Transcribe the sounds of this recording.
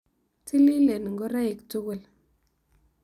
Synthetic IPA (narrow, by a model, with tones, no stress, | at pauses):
ti˦li˦le˨n˨ŋɡɔ˦ɾa˦ɪ˨ktʊ˦kʊ˦˨l